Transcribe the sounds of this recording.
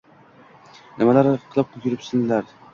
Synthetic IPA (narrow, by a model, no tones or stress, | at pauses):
nɪmalaɾqʰɨlˠɪp̚qʰʊkʲʰɪɾɪpsɪnlaɾ